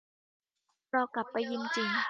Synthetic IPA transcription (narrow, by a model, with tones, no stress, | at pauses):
ɾɔː˧ka˨˩pːa˧jːi˧ŋt͡ɕi˨˧˩ŋ